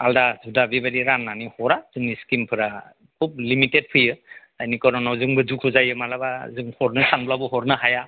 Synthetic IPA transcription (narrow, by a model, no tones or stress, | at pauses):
aldazudabibadiɾanːanihɔɾazɯŋniskimpʰɯɾa | kʰub̚limited̚pʰɯjɯ | ajnikɔɾnɔnawzɯŋbɯzukʰuzajɯmalabazɯŋhɔɾnɯsanblabɯɦɔɾnɯɦaja